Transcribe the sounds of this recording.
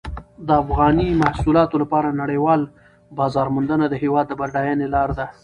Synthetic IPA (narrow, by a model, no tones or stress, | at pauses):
d̪əafɣɑnimahsulɑt̪olapɑɾanaɽejwɑl | bɑzɑɾmʊnd̪ənad̪əɦewɑd̪ːəbaɾɖɑjɑnelɑɾd̪a